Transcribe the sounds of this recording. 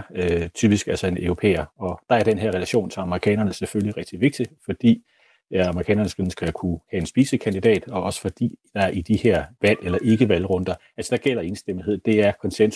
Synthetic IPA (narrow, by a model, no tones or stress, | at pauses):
øt͡sʰyːb̥isɡ̥ælsɒ̽e̝nʔøʊʁo̝pʰḛːɐɒ̽d̥ɑ̈æɐd̥enɦeɐ̰ʁɛlæɕo̝̰ːnt͡sʰe̝ɑ̈məʁikʰɛ̰ːnɐnəsefølliʁɛɡ̥̚d̥iʋe̝ɡ̥̚d̥ifɒ̽d̥ḭː | ɑməʁikʰɛ̰ːnɐnəsen̩sɡ̥ɐkʰuhɛe̝nsb̥ḭːsəkʰænd̥id̥ɛ̰ːd̥ɒ̽ɒ̽sə̥fɒ̽d̥ḭːd̥ɑ̈ɐʔid̥iheɐ̰ʋæl̰elɐʔe̝ɡ̥əʋælʁɔ̽nd̥ɐʔælsəd̥ɑ̈ɡ̥el̰ɐe̝ːnsd̥em̰̩he̝ð̞̰̩ˠd̥e̝æɐkʰɒ̽nsens